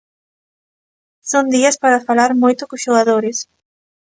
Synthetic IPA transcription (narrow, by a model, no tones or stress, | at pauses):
sond̪iɐspaɾafalaɾmojt̪ʊkosʃoɣaðoɾes